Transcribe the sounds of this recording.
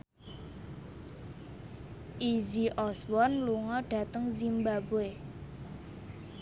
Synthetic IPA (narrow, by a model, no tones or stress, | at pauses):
ʔiziʔɔswɔnluŋɔɖ̥ä̤t̪əŋzimbaboe